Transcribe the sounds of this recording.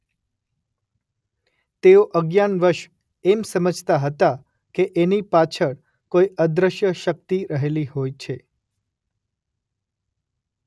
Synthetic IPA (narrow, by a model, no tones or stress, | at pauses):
t̪eoʔəɡjanʋəɾʃ | emsəməd͡ʒʱt̪aɦət̪a | keʔenipat͡ʃʰəɽ | kojəd̪ɾəʃjəʃək̚t̪iɾəɦeliɦojt͡ʃʰe